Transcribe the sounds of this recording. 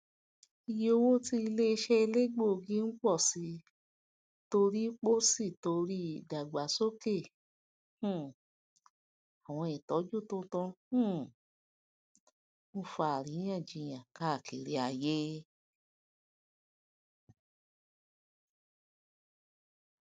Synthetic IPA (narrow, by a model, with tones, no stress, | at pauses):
i˧je˦o˧wo˦ti˧i˧le˦˧ʃɛ˦i˧le˦ɡ͡bo˦˨˧ɡĩ˦n̩˦k͡pɔ˦˨si˨˧˦ | to˧ɾi˦k͡po˦si˦˨to˧ɾi˦˨da˨ɡ͡ba˨˦so˦ke˦˨ | hũ˦˨ | a˨w̃ɔ̃˧i˨tɔ˨˦d͡ʒu˦˨to˦tɔ̃˧hũ˦˨ | n̩˦fa˨ɾĩ˨˦ã˦˨d͡ʒĩ˧j̃ã˨ka˦˨ki˨ɾi˨a˧˨je˦